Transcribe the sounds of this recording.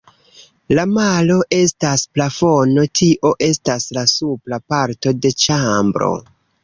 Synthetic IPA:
lamalo̞ʔe̞stasplafo̞no̞tʰiʔo̞ʔe̞staslasuplapaɾto̞de̞t͡ʃambɾo̞̰

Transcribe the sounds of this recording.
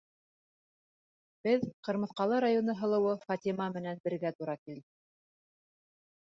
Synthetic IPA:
b̥ɘðqɤ̆ɾmɤ̆θqɑlˠɤɾajonɤɦɤ̆lˠɤ̆wɤfɑt̪imɑmɘ̆nænbɘ̆ɾɡæt̪uɾɑkild̪ɘ

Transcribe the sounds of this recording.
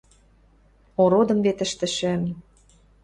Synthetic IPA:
oɾod̪ɤ̆mvet̪ə̆ʃt̪ə̆ʃɘ̆m

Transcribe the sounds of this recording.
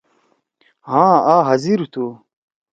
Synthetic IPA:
hãaːɦɐziɾut̪ʰu

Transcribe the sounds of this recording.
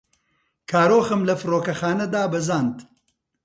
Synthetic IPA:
kʰaːɾoːxɨmlɐfɨroːkɐxaːnɐd̪aːbɐzaːnd̪

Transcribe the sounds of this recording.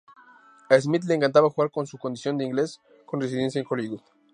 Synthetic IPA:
aes̬mit̪leːŋkant̪aβaxuɣaɾko̞nsuko̞nd̪isjo̞nd̪eiŋɡle̞s | ko̞nres̬iðe̞ns̬jaeŋxo̞liɣuð

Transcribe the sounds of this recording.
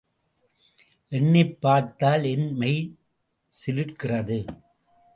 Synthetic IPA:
ʔɛɳːɪpːaːɾt̪aːlɛnmɐɪ | sɪlɯʈkɪrɐðɯ

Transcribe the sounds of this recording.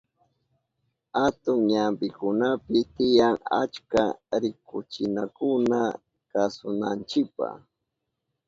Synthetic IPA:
hat̪ʊŋɲampɪkʊnapɪt̪ɪjaŋa̰t͡ʃkaɾɪkʊt͡ʃɪnakʊna | kasʊnant͡ʃɪpa̰

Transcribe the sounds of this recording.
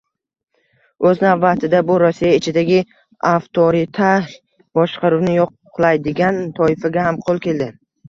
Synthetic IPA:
ɵznavbat̪ʰɪd̪abʊɾɒsːijaɪt͡ʃʰɪd̪aɡʲɪ | aft̪ʰoɾɪt̪ʰa | bɒʃqʰɑɾuwnɪjoqʰː | lˠajd̪ɪɡʲant̪ʰɒɪfaɡʲahamqʰolˠkʲʰe̞ld̪ɪ

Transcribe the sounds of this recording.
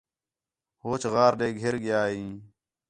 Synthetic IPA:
hoːt͡ʃɣaːɾɗeːɡʱeɾɡɪjaːɦĩː

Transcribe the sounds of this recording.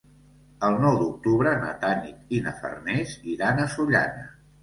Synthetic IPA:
əlˠnɔwd̪uk̚t̪uβɾəna̰t̪anit̪̚inə̰fə̰rnɛziðanəsuʎa̰nə

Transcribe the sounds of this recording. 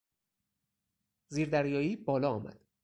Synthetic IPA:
ziːɾd̪æɾjɒːiːbɒːlɒːmæ̰d̪̥

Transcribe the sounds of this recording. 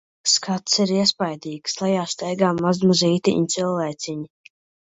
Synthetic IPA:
skʰat̪siɾiɛspajd̪iːkslˠajaːst̪ɛjɡaːmːazmaziːt̪iʔnt̪sɨlˠvɛjt̪sʲiɲi

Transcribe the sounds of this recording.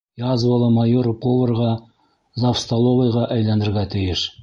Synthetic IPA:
jɑzvɑlˠɤmɑjoɾkovɤ̆rʁɑ | zafst̪ɐlˠovəjʁɑʔæjlænd̪ɘ̆ɾɡæt̪ɘ̆jɘʃ

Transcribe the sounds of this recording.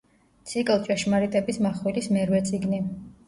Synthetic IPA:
t̪sʰikʼlˠt͡ʃʼɛʃmaɾit̪ʼɛbismaχwilismɛɾwɛt̪sʼiɡni

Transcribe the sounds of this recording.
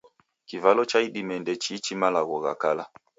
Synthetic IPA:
kivalɔt͡ʃaiɗimɛndɛt͡ʃit͡ʃimalaɣɔɣa̰kala

